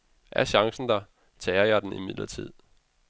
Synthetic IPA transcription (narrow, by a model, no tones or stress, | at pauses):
ʔæɐɕɑ̈ŋsn̩d̥ɑ̈ | t͡sʰɛːɐjɑ̈ɪd̥n̩ḭmið̰ˠlʔɐt͡sʰið̞̰ˠ